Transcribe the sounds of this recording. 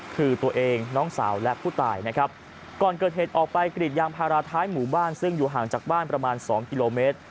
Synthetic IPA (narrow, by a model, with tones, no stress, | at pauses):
kʰɯː˧t̪u˧ɐʔeː˧ŋnɔː˦˥ŋsa̰ː˩˦wlɛ˦˥ʔpʰuː˥˩t̪aː˨˩jna˦˥kʰɾa˦˥p̚ | kɔː˨˩nkɤː˨˩t̪̚heː˨˩t̪̚ʔɔː˨˩k̚pa˧jkɾi˨˩t̪̚jaː˧ŋpʰaː˧ɾaː˧t̪ʰaː˦˥jmuː˩˦baː˥˩nsɯ˥˩ŋjuː˨˩ɦaː˨˩ŋt͡ɕaː˨˩k̚baː˥˩npɾa˧maː˧nsɔ̰ː˩˦ŋki˧loː˧meː˦˥t̪̚